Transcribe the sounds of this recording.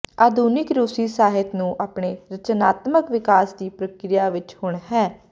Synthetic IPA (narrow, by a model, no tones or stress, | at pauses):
aːd̪uːnɪkɾuːsiːsaːɦɪt̪nũːʔaːpɳeːɾət͡ʃnaːt̪məkʋɪkaːsd̪iːpɾəkɾɪjaːʋɪt͡ʃhʊɳɦɛː